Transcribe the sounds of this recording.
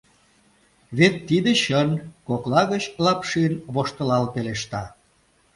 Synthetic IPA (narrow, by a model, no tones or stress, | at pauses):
βet̪ːid̪eɕənkoklɑɣət͡ɕlɑpʃiənβoʃt̪əlɑlpeleʃt̪ɑ